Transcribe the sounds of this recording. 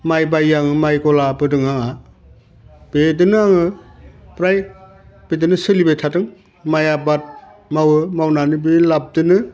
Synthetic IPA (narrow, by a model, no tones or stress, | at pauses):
majbajaŋɯmajɡɔlabɯdɯŋaŋa | b̥edɯnɯaŋɯpɾaj | b̥edɯnɯsɯlibejtʰatɯŋ | majabat̚ | mawɯmawnanɯbelab̚dɯnɯ